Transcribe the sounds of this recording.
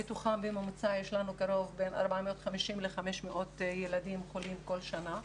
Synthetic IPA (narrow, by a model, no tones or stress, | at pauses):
bituχambemomt͡sajeʃlanukaɾo̞vbe̞na̰ʁbameot̪χamiʃimleχameʃmeʔo̞t̪jeladimχolimko̞lʃana